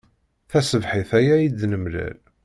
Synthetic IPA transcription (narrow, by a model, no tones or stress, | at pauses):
θæsəvħiθæjæjid̪nəmlæ̰l